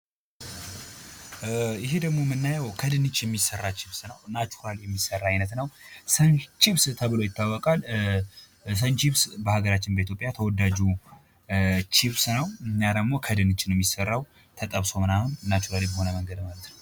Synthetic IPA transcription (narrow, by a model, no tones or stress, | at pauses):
ɪɦed̪əɡmo̞mɨnːajɛwkʰəd̪ɨnɨt͡ʃːjɛmːisərːat͡ʃiβsnəwnat͡ʃːu̥ɾaljɛmːisərːaajnət̪nəwsənt͡ʃiβst̪ʰəβɨlo̞jɪt̪ːawːɔkʼal | s̬ənt͡ʃiβsbəhaɡəɾat͡ʃːɪnbəit̪ʰjo̞pʼjat̪ʰəwɔd̪ːad͡ʒu | t͡ʃiβsnəwɨnːjad̪əɡmo̞kʰəd̪ɨnɨt͡ʃːnwjɛmːisərːaw | t̪ʰət̪ʼəβso̞mɨnahunːat͡ʃuɾalebəɦo̞nəməŋɡəd̪malət̪nəw